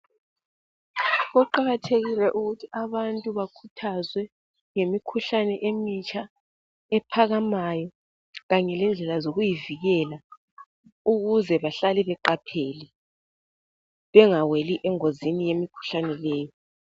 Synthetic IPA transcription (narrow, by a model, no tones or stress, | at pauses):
ɣɔǃaɣatʰeɣilɛʔuɣutʰiaβantʼuβakʰutʰazwɛ | ŋemikʰuɬanɛʔemit͡ʃʰʼa | ɛpʰaɣamajɔ | ɣaɲɛlɛnd͡ɮʱɛlazoɣujiviɣɛla | uɣuzɛβaɬalɛβɛǃapʰeli | βɛŋaweliʔɛŋozinijemikʰu̥ɬanɛlɛːjɔ